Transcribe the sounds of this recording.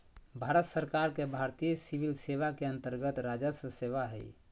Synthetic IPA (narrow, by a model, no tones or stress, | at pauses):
bʱaɾət̪səɾkaɾkebʱaɾt̪ijəsiʋilseʋakeə̃nt̪əɾɡət̪ɾad͡ʒəsəseʋaɦə̰j